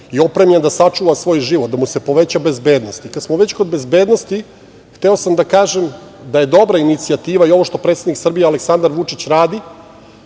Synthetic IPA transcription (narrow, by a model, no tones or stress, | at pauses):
io̞pɾemʎend̪asat͡ʂuːʋasʋo̞ːjʒiːʋot̪̚d̪amuse̞po̞ʋe̞t͡ɕabe̞zbe̞ːd̪nost̪ikat̪smoʋe̞t͡ɕko̞d̪̚be̞zbe̞ːd̪no̞st̪i | xt̪e̞o̞samd̪akaːʒemd̪aje̞d̪o̞bɾainit̪siat̪iːʋaio̞ʋo̞ʃt̪o̞pɾet̪sed̪niksr̩bijealeksand̪aɾʋut͡ʂit͡ɕɾaːd̪i